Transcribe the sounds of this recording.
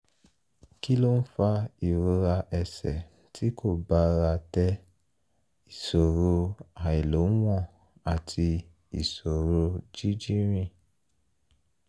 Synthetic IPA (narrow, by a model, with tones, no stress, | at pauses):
ki˦lo˦n̩˦fa˧i˨ɾo˧ɾa˧ʔɛ˧sɛ̰˨ | ti˦kʰo˦˨ba˨˦ɾa˧tɛ˦ | i˨so˨ɾo˧a˨i˨lo˨˦w̃ɔ̃˦˨ | a˨tʰi˧ | i˨so˨ɾo˧d͡ʒi˦d͡ʒi˦ɾ̃ĩ˦˨